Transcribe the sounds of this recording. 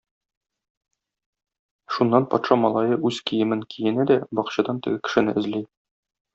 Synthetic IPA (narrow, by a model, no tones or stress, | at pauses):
ʃunːɑnpɒ̰t̪ʃɑmɒlˠɑjɤʔʉzkijɘ̆mɘŋkʰijɘ̆næd̪æbɒqɕɑd̪ɑnt̪ɘ̆ɡɘkɘ̥̆ʃɘ̆nɘʔɘ̆zlij